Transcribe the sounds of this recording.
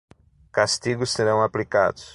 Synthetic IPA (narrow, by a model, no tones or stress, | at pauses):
kast̪iɡʊsːeɾɐ̃w̃aplika̰d̪ʊs